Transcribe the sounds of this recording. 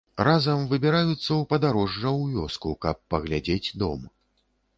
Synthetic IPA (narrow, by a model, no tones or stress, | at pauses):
razɐmvɨbʲiɾajut̪sːɐwpɐd̪aɾɔʐːɐwvʲɔskukɐpːɐɣlʲad͡zʲed͡zʲd̪ɔ̰m